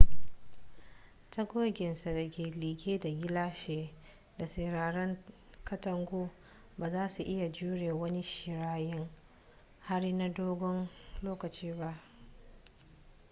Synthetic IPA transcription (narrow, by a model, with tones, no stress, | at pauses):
tɐ˦ɡʷoː˦ɡʲɪ˨nsa˨da˨kʲeː˨liː˨ɡʲeː˦da˨ɡʲɪ˦laː˦ʃeː˨ | da˨sɐ˨ɾaː˨ɾɐ˦ŋ | kɐ˦tɐ˨ŋɡʷoː˦ | baː˨zaː˦su˨ʔɪ˦ja˨d͡ʒuː˦ɽeː˨wɐ˦ni˦ʃɪ˨ɾaː˦jɪ˦ŋ | ha˦ɽna˦doː˦ɡʷɔ˦nloː˦kɐ˨t͡ʃiː˦ba˦ʔ